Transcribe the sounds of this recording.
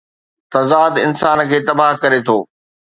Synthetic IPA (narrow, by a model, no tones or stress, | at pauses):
t̪ɐzaːd̪ɪ̰nsaːnkʰeːt̪ɐbaːɦkɐɾet̪ʰoː